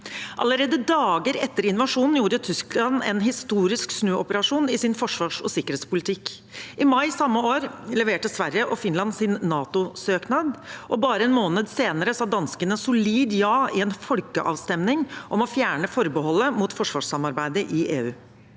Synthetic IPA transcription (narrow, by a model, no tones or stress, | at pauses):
ʔɑ̰ləɾeːd̪əd̪ɑːɡəɾɛt̪ːəɾɪnʋɑʂuːnn̩juːɾət̪ʰʏsklɑnɛ̰nɦɪst̪uːɾɪsksnøːɔpəɾɑʂuːnɪsɪnfɔʂʋɑːʂɔ̰sɪkːəɾeːt̪spʊlɪt̪ʰɪk | ʔɪmɑɪsɑmːəoːɾlɛʋeːʈəsʋæɾjəʔɔfɪnlɑnsɪnːɑːt̪ʊsøːknɑd̪ʔɔbɑːɾəɛnmoːnəd̪seːnəɾəsɑːd̪ɑnskənəsʊliːd̪jɑːɪɛnfɔlkə̰ʔɑ̰ːʋst̪ɛmnɪŋʔɔmɔfjæːɳəfɔɾbəɦɔlːəmut̪fɔʂʋɑːʂsɑmɑɾbæɪd̪əʔɪʔeːʉː